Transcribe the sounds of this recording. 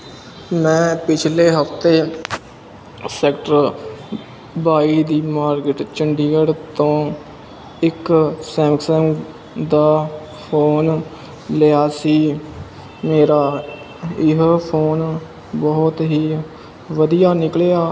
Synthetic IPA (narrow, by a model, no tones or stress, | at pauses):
mɛ̃ːpɪt͡ʃʰleːɦəft̪eː | sɛːkʈəɾ | baːiːd̪iːmaːɾkɪʈt͡ʃəɳɖiːɡəɽt̪õː | ɪksɛ̃ːmksɛːm | d̪aː | pʰoːn | leaːsiː | meːɾaː | ɪɦpʰoːn | bɔɦʊt̪ɦiː | ʋəd̪ijaːnɪklejaː